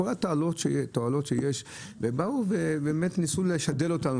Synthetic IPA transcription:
olatoalo̞tʃetoalo̞tʃejeʃ | vebauvebeːme̞tnisuleʃade̞lo̞tan

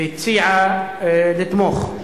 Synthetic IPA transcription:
t̪siːʕa | lɪt̪mox

